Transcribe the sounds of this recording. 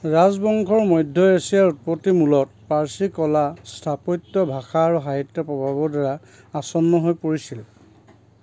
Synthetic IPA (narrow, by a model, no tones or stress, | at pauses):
ɹazbɔŋkʰɔɹmɔjdʱɔesijaɹut̚potːimulɔt̚paɹsikɔlastʰapɔjtːɔbʱaxaːɹuɦaɦitːɔpɹɔbʱabɔdɛɹa | asɔnːɔɦojpoɹisil